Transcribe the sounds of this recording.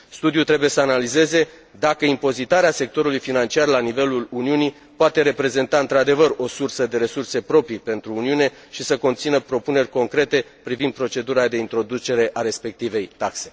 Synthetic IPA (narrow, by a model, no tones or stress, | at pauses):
st̪ud̪ijut̪ɾe̞buje̞səanalize̞ze̞ | d̪akəimpo̞zit̪aɾease̞k̚t̪o̞ɾulujfinant͡ʃiarlanive̞luluniuni | poat̪e̞ɾe̞pɾe̞ze̞nt̪aɨnt̪ɾad̪e̞vəro̞sursəd̪e̞ɾe̞surse̞pɾo̞pɾipe̞nt̪ɾuːniune̞ | ʃisəko̞nt̪sinəpɾo̞pune̞rʲko̞ŋkɾe̞t̪e̞pɾivind̪̚pɾo̞t͡ʃe̞d̪uɾad̪e̞int̪ɾo̞d̪ut͡ʃe̞ɾe̞ʔaɾe̞spe̞k̚t̪ive̞jt̪akse̞